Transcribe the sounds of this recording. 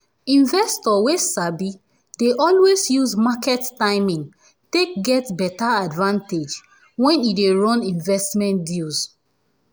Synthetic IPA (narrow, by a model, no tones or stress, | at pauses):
ĩɱvɛstɔwesabi | deʔɔlwezjuzmakɛttãɪmĩŋ | tek̚ɡɛtbɛtaadvãnted͡ʒ | wɛ̃nideɹɔ̃nĩɱvɛstmɛ̃ntdilz